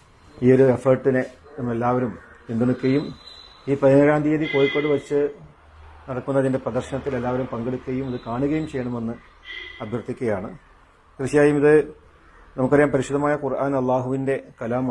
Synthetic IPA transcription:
iːoɾue̞fɐrʈːine | nɐmːelːaːʋɐɾumind̪uɳukːɐjum | iːprɐðinɐɾaːnd̪ʱijɐðiko̞ːjikːoːɳɖɨʋɐt͡ɕːɨ | nɐɽɐkːunːɐðinde̞prɐd̪ɐrɕɐɳɐt̪ːile̞lːaːʋɐɾumpɐŋɡeɽukʲːɐjumiðɨkaːɳuɣɐjumt͡ɕejːɐɳɐme̞nːɨ | ɐbʱjɐrt̪ʰːikʲːɐjaːɳɨ | krɨɕjaːjumiðɨ | nɐmukːɐɾɐjaːmpɐɾiɕud̪ɐmaːjɐkurʔaːnɐlˠːaːɦuʋinde̞kɐlaːm

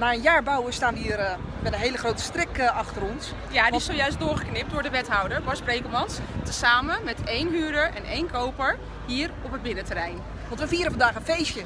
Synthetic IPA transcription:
naːənjaːɹbawəstaːniːər | ʋɛlənɦejləχrowtə̥strɪkɑχtəɾɔns | jadiɪsowjœɥstdʊːɹχəknɪp̚dʊːɹdəʋɛtɦɔwdəɹbɔsprejkəɹmɑnstəsaːmənmɛtejnɦyːɹdəɹʔɛ̰nʔḛjnkʰowpəɹ | ɦiːərɔpəd̚bɪnətərɛjn | ʋɑntʋəfiəɾəfɑndaːχənfejsjə

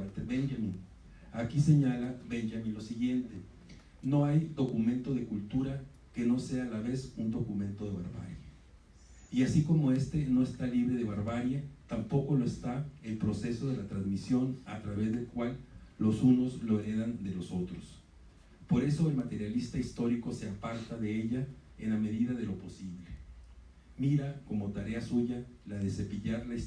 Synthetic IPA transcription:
t̪eβenʝamĩn | akise̞ɲalaβe̞nʝamĩnlosiɣje̞nt̪e̞ | no̞ajd̪o̞kumẽ̞nt̪o̞ðe̞kult̪uɾa | ke̞no̞se̞aːlaβe̞sund̪o̞kumẽ̞nt̪o̞ðe̞βa̰ɾβa̰ɾja | iasiko̞mo̞e̞st̪e̞no̞e̞st̪aliβɾe̞ð̞e̞βaɾβaɾjat̪ampo̞ko̞loest̪aelpɾo̞se̞so̞ð̞e̞lat̪ɾanzmisjo̞nat̪ɾaβe̞zðe̞lkwalːo̞suno̞zlo̞e̞ɾe̞ðand̪e̞lo̞so̞t̪ɾos | po̞ɾe̞so̞e̞lmat̪e̞ɾjalist̪aist̪o̞ɾiko̞se̞apaɾt̪aðe̞eʝaename̞ðiðaðe̞lo̞po̞siβle̞ | miɾako̞mo̞t̪aɾe̞asuʝalaðe̞se̞piʝaɾlais

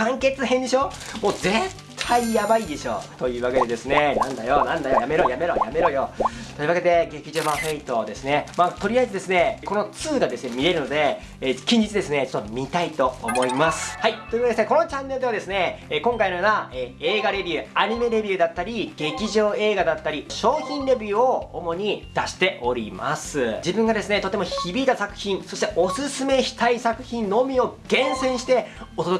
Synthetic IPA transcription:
kãŋke̞t͡sɨɦẽnd̪e̞ɕo̞ːmo̞ːze̞tt̪ʰːaijabaid̪e̞ɕo̞̰ːt̪o̞jɯ̟ːβake̞d̪e̞d̪e̞sɨnenãnd̪ajonãnd̪ajojame̞ɾo̞ːjame̞ɾo̞ːja̰me̞ɾo̞ːjo̞t̪oiɯ̟βaked̪e̞ɡe̞kʲiʑo̞ːbaɸeit̪o̞d̪e̞sɨne̞maːt̪o̞ɾʲiaizɨd̪e̞sɨne̞ko̞no̞t͡sɨːɡad̪e̞sɨne̞mʲiɾe̞ɾɯ̟no̞d̪e̞ | kʲĩɲ̟d͡ʑitt͡sɨd̪esɨne̞t͡ɕot̪ːomʲit̪ait̪o̞ːmo̞imasɨ̥hait̪ːo̞ji̟akeesɨnekono̞t͡ɕãnːeɯ̟d̪e̞βad̪e̞sɨne̞kõ̞ŋkainojoːnaeːeːɡaɾe̞bʲiɯ̟aɲ̟ime̞ɾe̞bʲjiɯ̟d̪at̪ːaɾʲiɡ̥e̞kʲiʑo̞ːe̞ːɡad̪at̪ːaɾʲiɕo̞ːçʲĩnɾe̞bʲɯːoomo̞ɲ̟id̪̥aɕi̥t̪e̞ʔo̞ɾʲḭma̰sɨd͡ʑibɯ̟̃ŋɡad̪e̞sɨne̞t̪o̞t̪e̞moçibʲiːt̪asakɯ̟̥çĩɰ̃so̞ɕi̥t̪e̞ʔo̞sɨsɨme̞çi̥t̪aisakɯ̟̥çĩnno̞mʲio̞ɡ̥ẽ̞ɰ̃sẽ̞ɰ̃ɕi̥t̪e̞ot̪od̪o

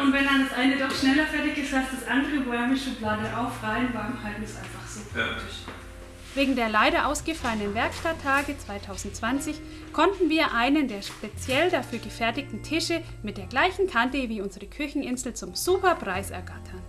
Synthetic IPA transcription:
ʔʊntvɛndandasʔaɪnədɔχʃnɛlɐfɛɐtɪçɪstasdasʔandəʁəboɛmɪʃəblaːdəʔaʊfʁaɪənvaːɡŋ̩haltm̩ɛstʔa̰ɪnfaχz̥oːfɛɐtɪç | veːɡŋ̩deːɐlaɪɾɐʔaʊsɡ̥əfalənənvɛɐkʃtatʰːaːɡət͡sv̥aɪtʰaʊzn̩t̚t͡sv̥ant͡sɪç | kʰɔntn̩viːɐʔaɪnəndeːɐʃpet͡sjɛldafyːɐɡəfɛɐtɪç̚tn̩tʰɪʃə | mɪt̚d̥eːɐɡlaɪçn̩kʰantəviːʊnzəʁəkʰʏçn̩ɪnzl̩t͡sʊmz̥uːpɐpʁ̥aɪsɛ̰ɐɡatʰɐn

